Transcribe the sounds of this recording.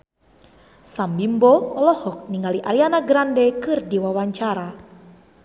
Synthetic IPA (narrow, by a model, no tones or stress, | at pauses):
sambimbɔɔlɔhɔk̚niŋaliʔaɾianaɡɾandɛkɨrdiwawaɲt͡ʃaɾa